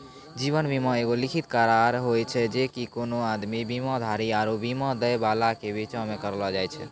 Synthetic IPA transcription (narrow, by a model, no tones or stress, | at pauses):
d͡ʒiβənbimɔeɡolikʰit̪kaɾaɾɦojt͡ʃʰɛd͡ʒekikonoad̪mibimɔ̃d̪ʱaɾiaɾobimɔ̃d̪əjbalakebit͡ʃɔ̃mekəɾlɔd͡ʒajt͡ʃʰɛ̰